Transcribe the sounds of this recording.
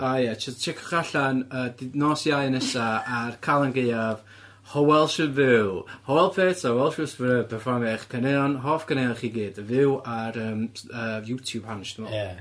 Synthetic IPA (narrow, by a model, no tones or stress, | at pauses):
ajɛt͡ʃʰɪt͡ʃʰɛkʰɔ̥χaɬanəːdnɔːsjajnɛsaarkʰalˠanɡejav | hɔwɛlˠʃɨvɪwlhɔwɛlˠpʰeːtawɛlˠʃɪspɾɛvpʰɛrfɔrmɛχkʰəneɔnɦɔːfkʰəneɔnχiːɡiːdvɪwaɾəːməjutʰjub̥hanʃtəmɔ